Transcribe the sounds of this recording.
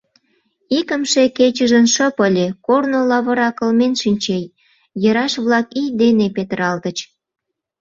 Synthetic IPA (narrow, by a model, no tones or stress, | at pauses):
ikəmʃeket͡ɕəʒənʃəpəlʲekornolɑβə̆ɾɑkəlmenʃinʲt͡ɕej | jəɾɑʃβlɑkijd̪enepet̪əɾɑlt̪ət͡ɕ